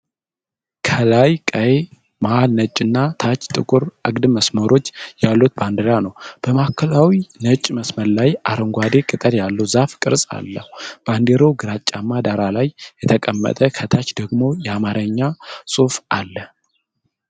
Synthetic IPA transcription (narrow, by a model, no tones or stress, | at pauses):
kʰəlajkʼəje | maalnət͡ʃʼːɨnːat̪ʰat͡ʃʼːt̪ʼɨkʼuɾʔɨɡd̪məsməɾo̞t͡ʃːjalːut̪̚band̪əɾanəwb̥əmakʰːəlawinət͡ʃʼːməsməɾlajʔa̰ɾəŋɡʷad̪e̞kʼɨt̪ʼəɾjalːəwzafkʼɨɾsʼa̰lːəhub̥and̪eɾo̞ɡɨɾat͡ʃʼːamːad̪aɾalajːɛt̪ʰəkʼəmːə̰t̪ʼəkʰət̪ʰat͡ʃːd̪əɡmo̞jɛamaɾʔəɲːasʼufalːə